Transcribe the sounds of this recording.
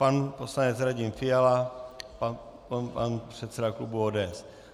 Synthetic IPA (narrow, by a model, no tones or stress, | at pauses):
panposlaɲɛt͡sɾaɟɪmfɪjalapa | panpr̝̥ɛt̪sɛdaklubuoːdɛɛs